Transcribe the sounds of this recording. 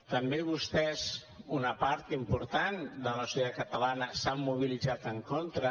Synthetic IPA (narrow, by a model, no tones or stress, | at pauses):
t̪əmbeβust̪ɛz | unəpaɾt̪impuɾt̪and̪ələsjðat̪̚kət̪əlanəsamːuβ̞ilid͡zat̪əŋkont̪ɾə